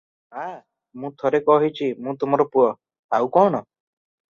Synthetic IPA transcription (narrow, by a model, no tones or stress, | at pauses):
ɦã | mũt̪ʰoɾekɔɦit͡ʃʰimũt̪um̤ɔɾɔpuɔ | awkɔɽ̃ɔ